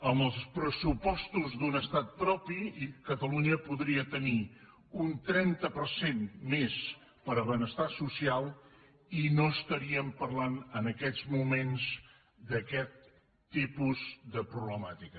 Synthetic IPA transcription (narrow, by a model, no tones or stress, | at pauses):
əmbəlˠspɾəsupɔst̪uzd̪unəst̪at̪̚pɾɔpikət̪əluɲəpuðɾiət̪əni | unt̪ɾɛnt̪əpəɾsenmes | pəɾəβənəst̪asusialˠ | inoəst̪əɾiəmpərlanənəkɛd͡zmumenz | d̪əkɛt̪ː | ipuzðəpɾuβləmat̪ikə